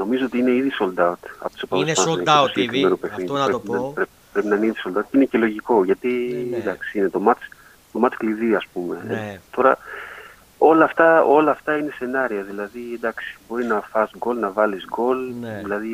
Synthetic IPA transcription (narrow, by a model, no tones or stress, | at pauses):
no̞mizoot̪iine̞iðiso̞ld̪ɐut̪ɐ̰pot̪usopɐvessɐnosiɟekɾime̞nopeθinɾeinɐpɾe | pɾe̞pinɐninso̞ld̪ɐut̪inece̞lo̞ʝiko̞ʝɐt̪iend̪ɐksiine̞t̪o̞mɐt͡s | t̪o̞mɐt͡skliðiɐspume̞̰ḛt̪o̞ɾɐ | o̞lɐːft̪ɐo̞lɐːft̪ɐine̞se̞nɐɾiɐðilɐðid̪ɐksi̥bo̞ɾinɐfɐsɡo̞lnɐvɐlizɡo̞lðilɐði